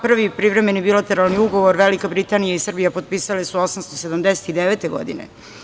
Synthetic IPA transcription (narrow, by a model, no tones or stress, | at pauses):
pr̩ʋipɾiʋɾe̞me̞nibilat̪e̞ɾalniuɡo̞ʋoɾʋelikabɾit̪aːnijaisr̩bijapot̪̚piːsalesuo̞samst̪o̞sed̪amd̪eset̪id̪eʋeːt̪eɡo̞̰d̪ḭnḛ